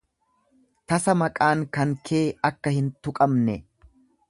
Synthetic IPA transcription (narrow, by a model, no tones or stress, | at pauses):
t̪ɐsɐmɐkʼaːŋkɐŋkʰe̞ːɐkːɐhɪnt̪ʊkʼɐmnɛ